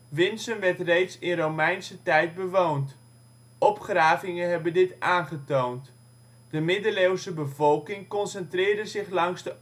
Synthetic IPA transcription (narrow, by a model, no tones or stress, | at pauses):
ʋɪnsəmʋɛɹtrejtsɪnrowmɛjnsətɛjt̚bəʋownt | ʔɔpχraːvɪŋəɦɛbəndɪtaːnχətownt | d̥əmɪdəlewsəbəvɔlˠkɪŋkɔnsəntrɪːɹdəzɪχlɑŋzdə